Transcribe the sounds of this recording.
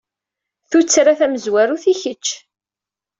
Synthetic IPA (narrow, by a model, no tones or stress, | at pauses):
θut͡sːɾaθæməzwæɾuθiçət͡ʃː